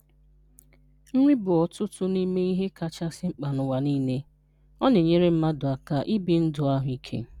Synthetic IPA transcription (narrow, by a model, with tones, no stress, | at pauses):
ŋ̩˦ŋʷi˦bʊ˨ɔ˨tʊ˦tʊ˦ni˦me˦i˦ɦe˦ka˨t͡ʃa˦sɪ˦ŋ͡m̩˦k͡pa˨nʊ˨wa˨niː˦ne˦ | ɔ˦ne˨ɲe˦ɾe˦m̩˦ma˦dʊ˨a˨ka˦ʔi˦bi˨n̩˦dʊ˨a˦ɦʊ˨i˦kʰḛ˦